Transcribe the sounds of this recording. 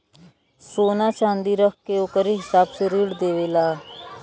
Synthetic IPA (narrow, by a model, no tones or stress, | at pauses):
soːnaːt͡ʃãːnd̪iːɾəkkeoːkəɾiɦɪsaːbseɾiːɽd̪eːʋeːlaː